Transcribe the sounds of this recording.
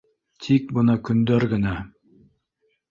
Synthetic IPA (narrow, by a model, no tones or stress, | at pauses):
t̪ʰik̚bɤnɑkɵ̆nd̪æɾɡɘ̆næ